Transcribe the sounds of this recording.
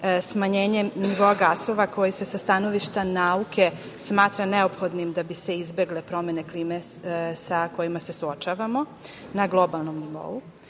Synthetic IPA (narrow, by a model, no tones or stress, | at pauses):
smaɲeːɲe̞niʋo̞aɡaso̞ʋako̞jise̞sast̪ano̞ʋiʃt̪anauke̞ | smaːt̪ɾane̞o̞pxo̞d̪nimd̪abise̞izbe̞ɡlepɾo̞mene̞kliːmesako̞jimase̞suo̞t͡ʃaːʋamo̞ | naɡlˠo̞balˠno̞mniʋo̞̰u